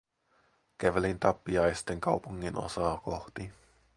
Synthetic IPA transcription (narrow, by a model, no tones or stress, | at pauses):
kæʋælint̪ɑpːiɑjst̪e̞ŋkɑwpuŋːinʔo̰sɑːkoht̪i